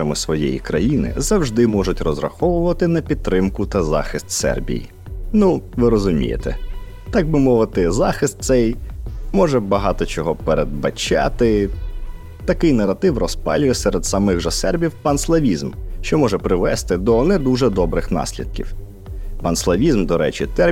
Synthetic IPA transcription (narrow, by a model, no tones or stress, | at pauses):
ɐmɪsʋɔjɛ̰jḭkɾɐjinɪ̰zɐwʒd̪ɪmɔʒʊtʲrɔzrɐ̰xɔʋʊʋɐt̪ɪnɐpʲid̪̚t̪ːɾɪmkʊt̪ɐzɑ̰xɪst̪sɛ̰rbʲḭjḭ | nuʋɪɾɔzʊmʲḭjḛt̪ɛ̰ | t̪ɑk̚bɪmɔʋɪt̪ɪzɑxɪst̪̚t̪sɛjmɔʒɛbɐɦɑt̪ɔt͡ʃɔɦɔpeɾed̪̚bɐ̰t͡ʃɑ̰t̪ɪ | t̪ɐkɪjnɐɾɐt̪ɪwrɔspɑ̰lʲʊjɛsʲɛɾɛd̪sɐmɪɣʒɐsɛrbʲiwpɐnslˠɐʋʲizmʃt͡ʃɔmɔʒɛpɾɪʋɛst̪ɪd̪ɔnɛd̪uʒɛd̪ɔbɾɪxnɑ̰sʲlʲḭd̪̚kʲiw | pɐnslˠɐʋʲizmd̪ɔɾɛ̰t͡ʃit̪ɛ